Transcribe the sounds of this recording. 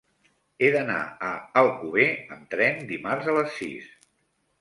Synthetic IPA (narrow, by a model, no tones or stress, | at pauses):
eðəna̰əəlˠkuβeəmt̪ɾɛnd̪imarzələsːḭs